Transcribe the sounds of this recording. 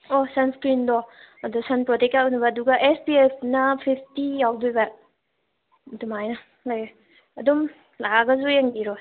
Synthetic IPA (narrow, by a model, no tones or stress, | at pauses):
ɔsɐnskɾindɔɐdusɐnpɾɔtek̚awnubɐːduɡɐʔespiepʰnɐpʰipʰtijawdujbɐ | dumajnɐ | lajb | ɐdum | laɡɐzujeŋbiɾɔ